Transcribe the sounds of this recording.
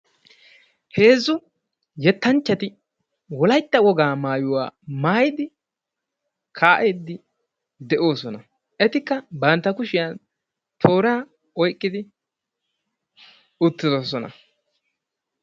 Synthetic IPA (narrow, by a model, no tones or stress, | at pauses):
he̞ːzːʊ | jɛt̪ːɐnt͡ʃːɐt̪ɪ | wɔlɐjt̪ːɐwɔɡaːmaːjʊwa̰ːmaːjɪd̪ɪ | kʰaːʔeːd̪ːɪ | d̪ɛʔo̞ːsɔnɐ | ʔɛt̪ɪkːɐbɐnt̪ːɐkʊʃɪjan | t̪ʰo̞ːɾaː | ɔjkʼːɪd̪ɪ | ʊt̪ːɪzoːsɔnɐ̰